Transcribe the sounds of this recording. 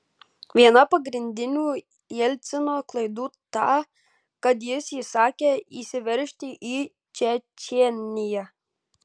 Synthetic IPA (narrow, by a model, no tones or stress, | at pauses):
ʋʲiɛnɐpɐɡɾʲɪnʲd̪ʲɪnʲuː | ɛlʲt̪sʲɪnoːklˠɐɪd̪uːt̪ɑː | kɐt̪jɪsiːsɑːkʲeːiːsʲɪʋʲɛɾʲʃʲt̪ʲɪʔiː | t͡ʃʲɛt͡ʃʲɛːnʲɪjɛ